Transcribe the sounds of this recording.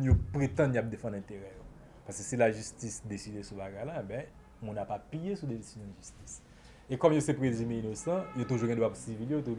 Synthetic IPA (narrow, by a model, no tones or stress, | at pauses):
jopʁet̪ɐ̃njap̚d̪efãd̪lɛ̃t̪eʁɛjo | paʁske̥silaʒystisd̪esid̪esubaɡajlaebɛ̃ | mũnapapijesud̪eesizjɔ̃ʒysti̥s | ekɔmjosɛpʁezymeinosɑ̃jot̪uʒuɡɛ̃d̪wapsiviljot̪̬u